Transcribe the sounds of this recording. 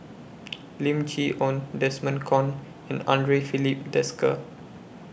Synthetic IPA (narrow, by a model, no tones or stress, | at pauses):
lĩmt͡ʃiʔɔ̃ndɛsmə̃nkʰɔ̃n | ɛ̃nã̰ndɹefilip̚dɛskə